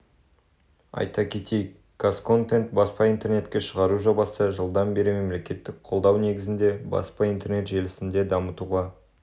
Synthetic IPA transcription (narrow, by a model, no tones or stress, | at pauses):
ɑ̰jt̪ɑkʲʰe̞t̪ejk | ɡ̥asko̞nt̪e̞nt̪̚bɑspɑijnt̪e̞rne̞t̪kʲe̞ʃəʁɑɾuʒo̞bɑsəʒəlˠd̪ɑnbe̞ɾɪme̞mle̞kʲe̞t̪ːɪk̚qʰo̞lˠd̪ɑwne̞ɡʲɪzɪnd̪e̞bɑ̰spɑijnt̪e̞rɾne̞t̪ʒe̞lɪsɪnd̪e̞d̪ɑmət̪uʁɑ